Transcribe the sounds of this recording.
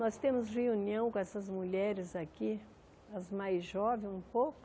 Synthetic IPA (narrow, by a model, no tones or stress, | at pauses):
nɔst̪ẽmʊzʁeuniɐ̃w̃kõɛsɐzmuʎɛɾɪzaki | ɐzmajzʒɔvẽj̃ũpowkʊ